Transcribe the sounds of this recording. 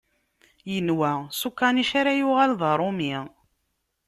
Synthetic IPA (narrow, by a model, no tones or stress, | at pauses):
jənwæsukːɑniʃaɾajuʁælðˤəɾˤomi